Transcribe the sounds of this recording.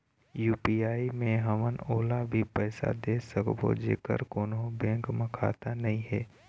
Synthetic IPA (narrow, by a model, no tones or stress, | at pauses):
juːpiːaːimẽɦəmənoːlabʱipɛːsa̰d̪eːsəkbo̰d͡ʒḛːkə̰ɾkoːnɦõbɛ̃ːŋkməkʰa̰ːt̪anɐɦĩɦɛː